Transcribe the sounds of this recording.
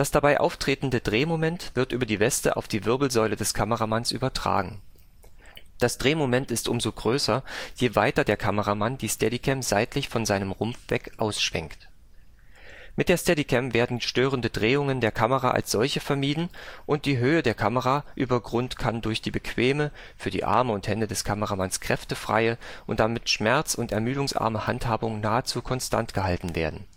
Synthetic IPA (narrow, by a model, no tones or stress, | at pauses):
d̥asd̥abaɪʔa̰ʊftʁ̥eːtn̩dədʁeːmomɛntv̥ɪɐtʔyːbɐdiːvɛstə̰ʔa̰ʊfd̥iːvɪɐbl̩zɔʏlədɛskʰaməʁamansʔyːbɐtʁ̥a̰ːɡŋ̩ | d̥asd̥ʁeːmomɛntɪstʔʊmzoːɡʁøːsɐjeːvaɪtɐdeːɐkʰaməʁamand̥iːstɛdikʰɛmz̥aɪtlɪçfɔnzaɪnəmʁʊmfv̥ɛ̰kʔaʊsʃv̥ɛ̰ŋkt | mɪt̚d̥eːɐstɛdikʰɛmveːɐdn̩ʃtøːʁ̞əndədʁeːʊŋəndeːɐkʰaməʁa̰ʔa̰lsz̥ɔlçəfɛɐmiːdn̩ʔʊnt̚d̥iːɦøːədeːɐkʰaməʁaʔyːbɐɡʁʊntkʰandʊɐçd̥iːbəkʰv̥eːmə | fyːɐdḭːʔa̰ɐməʊnthɛndədɛskʰaməʁamanskʁ̥ɛftəfʁ̥a̰ɪəʔʊnt̚d̥amɪtʃmɛɐt͡sʊntɛɐmyːdʊŋsʔa̰ɐməhanthaːbʊŋnaːət͡suːkʰɔnstʰa̰ntɡ̥əɦaltn̩veːɐdn̩